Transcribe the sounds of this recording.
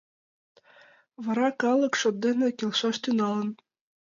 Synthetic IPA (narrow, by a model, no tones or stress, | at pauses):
βɤ̆ɾɑkɑlˠɤ̆kʃod̪̚d̪enɘ̆kʲelʃɑʃt̪ynɑlˠɤ̆n